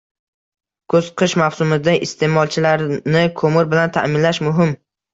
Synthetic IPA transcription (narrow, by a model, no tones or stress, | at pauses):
kʰɵz̥qʰɨʃmawsʊmɪd̪aʔɪst̪ʰe̞mɒlˠt͡ʃʰɪlaɾnɪkʰomɪɾbɪlant̪ʰa̰mɪnlaʃmʊɦɪm